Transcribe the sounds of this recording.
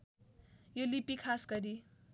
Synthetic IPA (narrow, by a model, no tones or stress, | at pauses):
jolipikʰasɡʌɾi